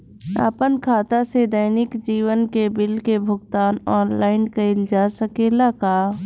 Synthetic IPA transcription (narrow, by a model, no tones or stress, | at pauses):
a̰ːpənkʰaːt̪ased̪əɪnɪkd͡ʒiːwənkebɪlkebʱʊɡt̪aːnɔːnlaːɪnkeɪld͡ʒaːsəkeːlakaː